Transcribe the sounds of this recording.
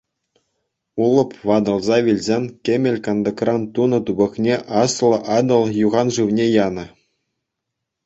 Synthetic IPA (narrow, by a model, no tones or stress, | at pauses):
ulˠɤ̆pʋɑd̪ɤ̆lˠzɑʋʲilʲzʲenʲkʲemʲelʲkɑnd̪ɤkrɑnt̪unɤ̆t̪ubɤ̆knʲeʔɑslˠɤ̆ʔɑd̪ɤ̆lˠjuʁɑnʐɯʋnʲejɑnɤ̆